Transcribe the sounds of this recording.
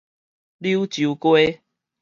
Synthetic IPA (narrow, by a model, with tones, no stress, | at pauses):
lju˦t͡ɕju˨˦kwe˦